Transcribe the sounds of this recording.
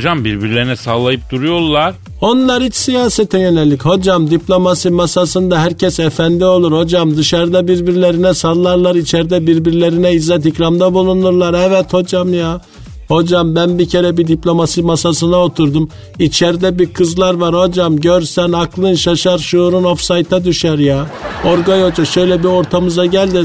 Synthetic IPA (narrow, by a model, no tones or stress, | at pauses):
d͡ʒambiɾbiɾlʲeɾinɛsaːlˠajɯp̚d̪̥uɾujo̞ɾlˠaɾ̥ | o̞nlˠaɾhit͡ʃsijaːset̪ʰinjø̞nɛlʲːicho̞d͡ʒamd̪iplʲo̞masimasasɯnd̪aɦæɾcʰɛsefænd̪io̞lˠuɾho̞d͡ʒamd̪ɯʃaɾd̪abiɾbiɾlʲe̞ɾinɛsalˠːaɾlˠaɾit͡ʃʰɛɾd̪ɛbiɾbiɾlʲe̞ɾinɛizːɛt̪icɾamd̪abulˠunuɾlˠaɾɛvɛt̪ho̞d͡ʒamja | ho̞d͡ʒambænbicʰe̞ɾɛbid̪iplʲo̞masimasasɯnao̞t̪ʰuɾd̪um | it͡ʃʰɛɾd̪ɛbikʰɯzlˠaɾvaɾho̞d͡ʒamɟøɾsænaklˠɯnʃaʃaɾʃuːɾunofsajt̪ʰad̪yʃæɾjaoɾɡajo̞d͡ʒaʃø̞jlʲɛbio̞ɾt̪ʰamɯzaɟælʲd̪i